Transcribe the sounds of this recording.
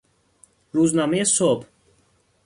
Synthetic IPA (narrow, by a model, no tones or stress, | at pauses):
ruznamɛsɔpʰ